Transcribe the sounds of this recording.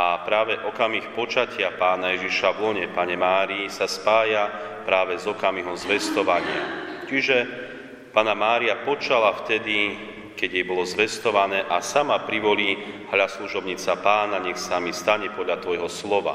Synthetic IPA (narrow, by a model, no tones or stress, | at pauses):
apɾaːʋɛʔɔkamixpɔt͡ʃacɪapaːnajɛʒiʃaʋlɔɲɛpaɲɛmaːɾiːsaspaːja | pɾaːʋɛzɔkamiɦɔmzʋɛst̪ɔʋaɲɪa̰t͡ʃiʒɛ | panamaːɾiapɔt͡ʃalaft̪ɛd̪i | kɛɟjɛjbɔlɔzʋɛst̪ɔʋanɛːʔasamapɾiʋɔliːɦlasluʒɔbɲiːt͡sapaːnaɲɛxsamist̪aɲɛpɔd̪ʎat̪ʋɔjɦɔslɔʋa̰